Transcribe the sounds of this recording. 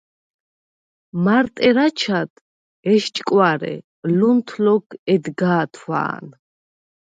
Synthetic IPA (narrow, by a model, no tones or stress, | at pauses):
maɾt̪ʼɛɾat͡ʃʰad̪ʰ | ɛʃt͡ʃʼkʼwaɾɛ̰ | lunt̪ʰlɔkʰɛd̪ɡaːt̪ʰwa̰ːn